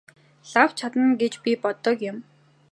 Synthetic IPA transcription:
ɬaw̥t͡ɕʰat̪ə̆nɡet͡ɕpʲipɔt̪ɞ̆kjʊm

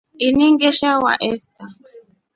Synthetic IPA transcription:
iniŋɡɛʃawa̰ʔɛsta

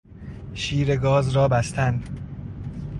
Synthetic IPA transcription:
ʃiːɾeɡɒːzɾɒːbæst̪ʰæn

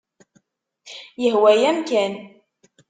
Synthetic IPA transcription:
jəɦwæjæmkæn

